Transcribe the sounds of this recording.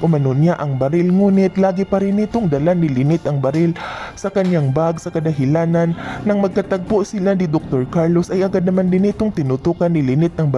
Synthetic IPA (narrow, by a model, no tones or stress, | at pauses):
ʔʊmɐnonaʔɐŋbɐɾɪlŋuːnɪt̪laːɡɪpɐɾɪnɪt̪oŋd̪ɐlanɪlɪnɪt̪ɐŋbɐɾɪlsɐkɐɲaŋbaɡsɐkɐd̪ɐɦɪlaːnɐnːɐŋmɐɡ̚kɐt̪ɐɡ̚poʔsɪlanɪd̪ok̚t̪o̞ɹkaɹlosʔɐjʔɐɡad̪̚nɐmand̪ɪnɪt̪o̞ŋt̪ɪnʊt̪uːkɐnːɪlɪnɪt̪̚nɐŋb